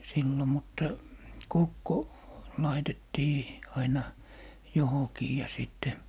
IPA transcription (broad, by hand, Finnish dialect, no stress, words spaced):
silːo mutːɑ kokːo lɑitetːiː ɑinɑ johokiː jɑ siˑtːe